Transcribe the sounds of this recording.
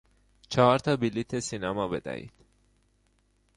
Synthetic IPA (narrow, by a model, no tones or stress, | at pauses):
t͡ʃʰɒɾt̪ʰɒbilit̪ʰesinæmɒbed̪æ̰ḭːd̪̥